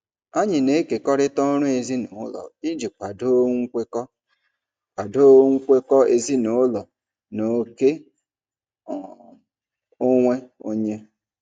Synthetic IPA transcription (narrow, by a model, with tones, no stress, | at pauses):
a˦ɲɪ˨ne˦e˦ke˨kɔ˦ɾɪ˦tɔ˦ɾʊ˦e˨zi˦nʊ˨˦lɔ̰˨i˦d͡ʒi˨p̚k͡pʷa˨do˦ŋ̩˦kʷe˦kɔ˦ | ka˨do˦ŋ̩˦kʷe˦kɔ˦e˦zi˦no˨˦lɔ˨ | no˨ke˦˨ | o˦ŋʷe˦o˦ɲe˦